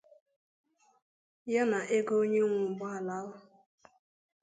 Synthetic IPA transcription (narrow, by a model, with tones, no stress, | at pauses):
ja˦na˨ʔe˦ɡo˦o˦ɲe˦ŋʷʊ˨m̩˨bʊ˦ɦa˨la˨˦wʊ˦